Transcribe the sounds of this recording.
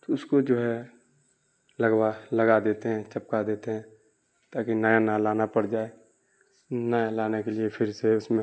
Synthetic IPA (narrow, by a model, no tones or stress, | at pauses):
t̪oʊskod͡ʒoːɦɛ | lɐɡwalɐɡad̪eːt̪eɦɛ̃t͡ʃəp̚kad̪eːt̪eɦɛ̃ | t̪aːkinaːjanalaːnapɐɽd͡ʒaːe | najalaːnekeliepʰɪɾseʊsmẽ